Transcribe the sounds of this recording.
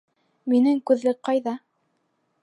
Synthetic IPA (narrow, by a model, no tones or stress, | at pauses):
minɘŋkʉðlɘk̚qɑjðɑ